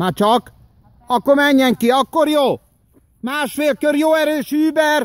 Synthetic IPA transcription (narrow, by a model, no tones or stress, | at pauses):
mat͡ʃɒk | ɒkːoɾmɛɲːɛŋkiɒkːoɾjoː | maːʃfeːlkøɾjoːɛɾøːʃyːbɛr